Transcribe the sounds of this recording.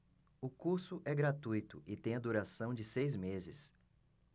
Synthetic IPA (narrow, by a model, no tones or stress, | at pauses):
ʊkuɾsʊʔɛɡɾat̪ujt̪ʊʔɪt̪ẽj̃ɐd̪uɾasɐ̃w̃d͡ʒɪsejzmezɪs